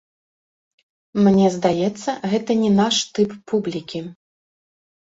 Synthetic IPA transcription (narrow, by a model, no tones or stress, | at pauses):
mnʲɛzd̪ajɛt̪sːɐɣɛt̪ɐnʲɛnaʂt̪ɨpːublʲikʲi